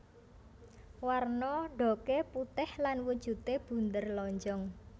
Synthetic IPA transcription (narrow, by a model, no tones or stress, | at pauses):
warnɔɖ̥o̤keput̪ɪhlanwud̥ʒ̥ṳt̪eb̥ṳnd̪ərlɔɲd͡ʒɔŋ